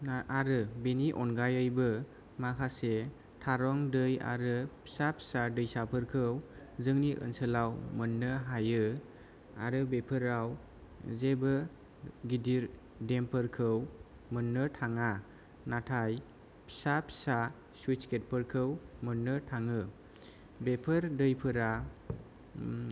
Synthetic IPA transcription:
naaɾɯbeniʔɔnɡajɯjbɯ | makʰase | tʰaɾɔŋdɯja̰ɾɯpʰi̥sapʰi̥sadɯjsapʰɯɾkʰɯw | zɯŋniʔɯ̰nsɯlawmənːɯɦajɯ | a̰ɾɯbepʰɯɾaw | zebɯ | ɡidiɾ | dempʰɯɾkʰɯw | mɯnːɯtʰaŋa | natʰaj | pʰi̥sapʰi̥sa | swut͡ʃket̚pʰəɾkʰɯwmənːɯtʰaŋɯ | bepʰɯɾdɯjpʰɯɾa

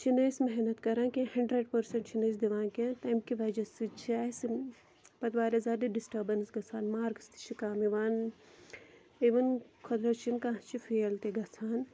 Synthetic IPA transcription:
t͡ʃʰineːsmɛɦnɐt̪kɐɾãːkʲẽhɐɳɖɾeɖpɐɾsɐ̃ɳʈt͡ʃʰineːs̬d̪iʋãːnkẽt̪ɐːmkiʋɐd͡ʒɐsit͡ʃʰaːs | pɐt̪ʋaːɾɐzaːd̪iɖisʈɐbɐnsɡɐsaːnmaːɾkst̪i̥t͡ʃʰikaːmiʋaːn | iʋɐnkʰɐd̪ɾɐt͡ʃʰinkãːɦt͡ʃʰifeːlt̪eɡɐsʰaːn

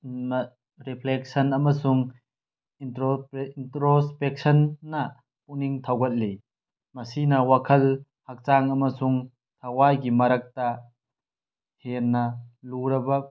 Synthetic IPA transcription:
m | ɾipʰlek̚sɐnɐmɐsuŋ | intɾontɾospek̚sɐnːɐ | puniŋtʰawɡɐt̚le | mɐsinɐwakʰɐl | hak̚t͡ʃaŋɐmɐsuŋ | tʰɐwajɡimɐɾɐk̚tɐ | henːɐluɾɐbɐ

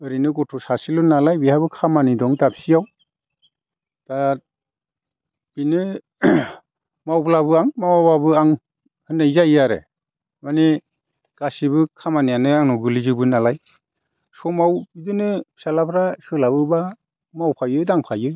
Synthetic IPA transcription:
ɯɾinɯɡɔtʰɔsasilɔnalajbihabɯkʰamanidɔŋtapsijaw | d̥a | b̥inɯ | mawplabɯaŋmawababɯaŋ | hɯnajzajaɾḛ | mani | ɡ̥asibɯkʰamanijanɯaŋnɔɡɯlizɯbɯnalaj | sɔmawbidɯnɯ̥salapʰɾasɯlabɯba | mawpʰajɯjdaŋpʰajɯj

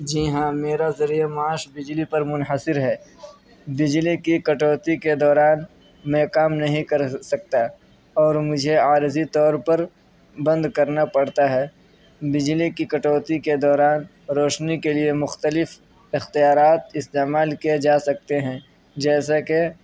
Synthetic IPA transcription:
d͡ʒiːɦãmeːɾazɐɾijamaːʃbɪd͡ʒlipɐɾmʊnɦəsɪɾɦɛː | bɪd͡ʒlikikɐʈoːt̪iked̪ɔːɾaːn | mɛ̃ːkaːmnɐɦĩkɐɾsɐk̚t̪a | ɔːɾmʊd͡ʒʱeaːɾzit̪ɔːɾpɐɾ | bɐ̃nd̪kɐɾnapɐɽt̪aɦɛː | bɪd͡ʒlikikɐʈoːt̪iked̪ɔːɾaːn | ɾɔːʃnikeliemʊxt̪əlɪf | ɪxt̪ijaːɾaːt̪ɪst̪eːmaːlkied͡ʒaːsɐk̚t̪eɦɛ̃ː | d͡ʒɛːsake

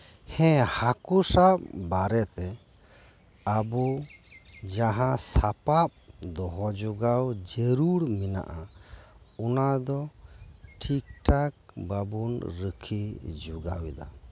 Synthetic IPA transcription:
hɛ̃hakusap̚baɾɛt̪ɛ | abɔ | d͡ʒaɦãsapap̚d̪ɔɦɔd͡ʒuɡawd͡ʒeɾuɾmina̰ʔa | ɔnad̪ɔ | ʈʰik̚ʈak̚babunɾəkʰid͡ʒuɡawɛd̪a̰

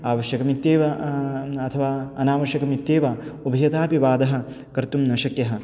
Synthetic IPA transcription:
aːʋɐʃjɐkɐmit̪jeːʋɐ | ɐt̪ʰɐʋaːɐnaːʋɐʃjɐkɐmit̪ːjeːʋaubʱɐjɐt̪aːpiʋaːd̪ɐɦɐ̆ | kɐɾt̪umnɐʃɐkjɐɦɐ̆

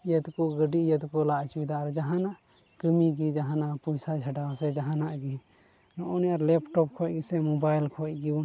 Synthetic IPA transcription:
jət̪koɡəɖijət̪kolat͡ʃbid̪aːɾd͡ʒəɦãnaʔ | kəmikid͡ʒəɦãnapujsad͡ʒʱəʈawsɛd͡ʒaɦãnaʔɡi | nɔniaɾlɛpʈɔp̚kʰɔkisɛmobajlkʰɔki

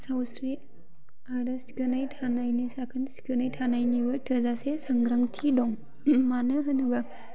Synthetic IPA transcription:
sawsɾi | aɾɯsi̥kɯnajtʰanajnisakʰɯnsi̥kɯnajtʰanajnibɯtʰɯzasesaŋɡɾaŋtʰidɔŋ | manɯɦɯnɯbɐ

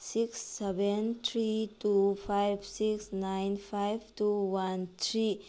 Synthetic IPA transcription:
siksːebent̪ʰɾitupʰajb̚ʰʱsiksnajnpʰajb̚ʱtuwant̪ʰɾi

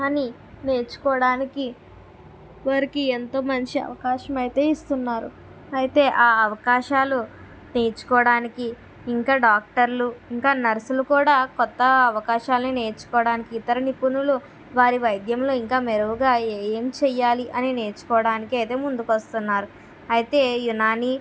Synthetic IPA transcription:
ɐni | ne̞ːɾt͡ʃu̥kɔːɽaːniki | ʋɐɾikient̪o̞ːmɐnt͡ʃiɐ̰ʋɐkaːʃɐmɐjit̪e̞ːist̪unːaːɾu | ɐjit̪e̞ːʔaːɐʋɐkaːʃaːlu | ne̞ːɾt͡ʃu̥kɔːɽaːnikiː | ŋkaːɖaːk̚ʈɐɾluiŋkaːnɐɾɐsulukuːɽaːkɔt̪ːɐɐʋɐkaːʃaːlɐnine̞ːɾt͡ʃu̥kɔːɽaːnikiːt̪ɐɾɐnipunulu | ʋaːɾiʋɐjd̪jɐmlo̞ːiŋkaːmeɾuʋuɡaːejeːmt͡ʃɛjaːliʔɐnine̞ːɾt͡ʃu̥kɔːɐɽaːnikiɐjit̪e̞ːmund̪ukɐst̪unːaːɾu | ɐjit̪e̞ːjunaːniː

